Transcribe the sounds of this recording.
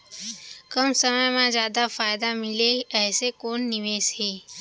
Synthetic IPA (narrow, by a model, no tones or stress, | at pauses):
kəmsəməjmẽzjaːd̪afaːɪd̪amɪleɛːsekoːnːɪʋeːsɦeː